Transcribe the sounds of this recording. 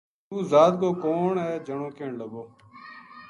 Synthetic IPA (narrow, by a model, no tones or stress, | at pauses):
uːzaːd̪̚koːkoːɳɦɛːd͡ʒʱəɳoːkeːɳləboː